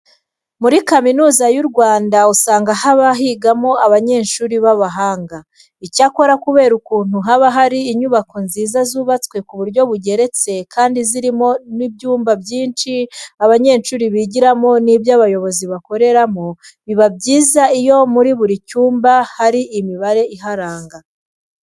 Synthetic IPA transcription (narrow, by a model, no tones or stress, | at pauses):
muɾikaminuːzajuɾɡwaːndausaːŋɡahaβaɦiɡamo̞aβaɲe̞ːnʃuːɾiβaβaɦaːŋɡa | icako̞ɾakuβe̞ːɾukuːn̥huɦaβaɦaɾiːɲuβakonziːzazuːβat͡skwe̞kuβuɾɟo̞βuɟe̞ɾe̞t͡se̞kʰaːndiziɾimo̞nibɟuːmbabɟiːnʃiaβaɲe̞ːnʃuːɾiβiɟiɾamo̞nibjaβajo̞βo̞ziβako̞ɾe̞ɾamo̞ | βiβabɟiːzaijo̞muɾiβuɾicuːmbahaɾiʔimiβaɾe̞ʔiɦaɾaːŋɡa